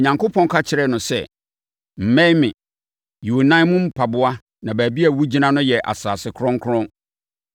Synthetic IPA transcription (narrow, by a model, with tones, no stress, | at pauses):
ɲã˨ŋko˦pʰɔ̃˦n˦kʰa˦t͡ɕʰɪ˦ɾɛ˦nʊ̃˨sɛ̰˨ | m̩˨mɛ̃˦mɪ̃˨ | ju˨o˨nã˦mũ˦m̩˦pʰa˨bʊ˦a˦ | nã˨bæː˨bi˦æ˨wu˦d͡ʑi˦nã˦nʊ̃˦jɛ˨ʔa̰˨saː˨sɪ˨kʰʊ˦ɾɔ̃˦ŋkʰʊ˦ɾʊ̃˦